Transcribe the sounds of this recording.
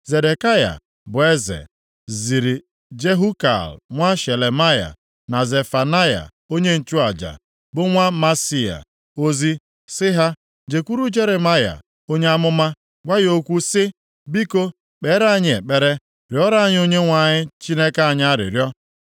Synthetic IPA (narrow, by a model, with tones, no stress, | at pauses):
ze˨de˨ka˦ja̰˨ | bʊ˨e˦zḛ˨ | zi˨ɾi˨ | d͡ʒe˦ɦu˦ka̰˨lŋʷa˦ʃe˨le˨ma˦ja̰˨ | na˨ze˨fa˨na˦ja̰˨ | o˦ɲe˦n̩˨t͡ʃu˦a˨d͡ʒa̰˨ | bʊ˦ŋʷa˦ma˦si˦a̰˨ | o˦zi˦ | sɪ˦ɦa˦ | d͡ʒe˨kʷu˦ɾu˦d͡ʒe˦ɾe˨ma˦ja̰˨ | o˦ɲe˦a˦mʊ˦ma˦ | ɡʷa˦jo˦kʷu˦sɪ˦ | bi˦ko˦ | k͡pe˨˦ɾa˦ɲɪ˦ḛ˨k͡pe˦ɾe˦ | ɾjɔ˦ɾa˦ɲ˦o˦ɲe˦ŋʷa˨ɲɪ˦t͡ʃi˦ne˦ka˦a˨ɲ˦a˦ɾɪ̰˨ɾjɔ˦